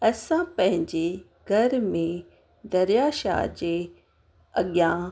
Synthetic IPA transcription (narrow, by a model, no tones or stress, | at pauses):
ɐsãpɐ̃ɦɪ̃ɲd͡ʑe | ɡʱɐɾmẽ | d̪ɐɾjaːʃa̰d͡ʑe | ɐɠjã